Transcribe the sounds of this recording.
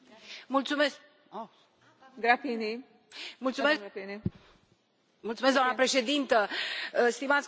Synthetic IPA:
mult̪sume̞sk | ɡɾapini | mult̪sumesni | mult̪umesɡd̪oanəpɾe̞ʃe̞d̪int̪əst̪imat̪sʲ

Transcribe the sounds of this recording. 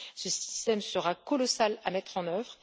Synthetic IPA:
səsi̥st̪ɛmsəʁakɔlɔsalamɛt̪χɑ̃nœvʁ

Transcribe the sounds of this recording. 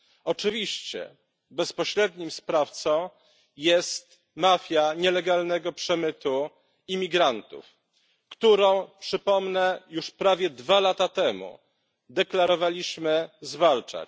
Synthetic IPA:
ɔt͡ʂɘvʲiɕt͡ɕɛ̰ | bɛspɔɕɾɛd̪ɲimspɾaft̪sɔ̃w̃ | jɛst̪ | mafʲjaɲɛlɛɡalnɛɡɔpʂɛmɘt̪u | imʲiɡɾant̪ṵf | kt̪uɾɔ̃w̃pʂɘpɔmnɛjuʂpɾavʲjɛd̪valat̪at̪ɛmṵ | d̪ɛklaɾɔvalʲiɕmɘzvalt͡ʂa̰

